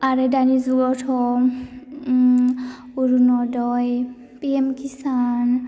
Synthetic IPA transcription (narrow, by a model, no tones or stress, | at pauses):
aɹɛdanizuɡɔtʰɔ | uɹunɔdɔj | piɛmkisan